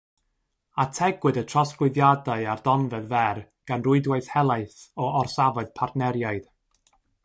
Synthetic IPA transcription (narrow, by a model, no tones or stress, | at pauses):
atʰɛɡwɨdətʰrɔsɡlˠɪðjadaɨardɔnvɛðvɛr | ɡ̥anrʊɨdwajθhɛlˠaɨθɔɔrsavɔð̥pʰardnɛɾjaɨð̥